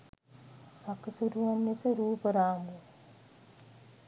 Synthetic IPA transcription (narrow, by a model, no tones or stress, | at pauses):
sakəsuɾuʋɐmːesəɾuːpəɾaːŋɡu